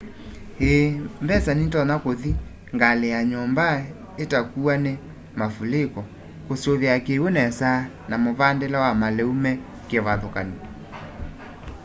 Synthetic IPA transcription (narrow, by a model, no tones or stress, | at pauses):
heːmbɛsanitɔnakoði | ŋɡalejaɲɔmba | etakuane | mafulekɔ | kosoβeakewonɛsa | namoβandelɛwamalɛumɛ | keɛβaðokani